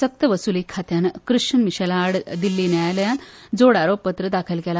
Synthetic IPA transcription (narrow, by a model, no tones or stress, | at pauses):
sək̚t̪əʋəsulikʰːat̪jankɾɨʂənmiɕɛlaːɽd̪ilːiːnjajaləjãnd͡zoɽaɾopːət̪ɾəd̪akʰəlkɛla